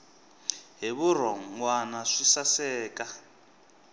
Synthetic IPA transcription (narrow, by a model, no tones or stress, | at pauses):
ɦiβuɾ̤ɔŋwanaʂisasɛːkʼa